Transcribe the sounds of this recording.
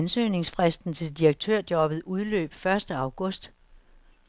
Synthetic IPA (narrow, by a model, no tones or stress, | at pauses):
nsø̰ːne̝ŋsfʁɛsd̥n̩t͡sʰe̝ldiʁɐeɡ̥̚t͡sʰøɐ̰d̥jɒ̽b̥ð̩ˠuð̞ˠlø̰ːb̥fɶɐsd̥əɑ̈ʊɡ̥ɔ̽sd̥